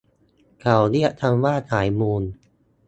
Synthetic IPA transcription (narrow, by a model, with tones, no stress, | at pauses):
kʰa˨˩wli˥˩əʔt̪ʰa˧mwaː˥˩t̪ʰaː˩˦jmuː˧n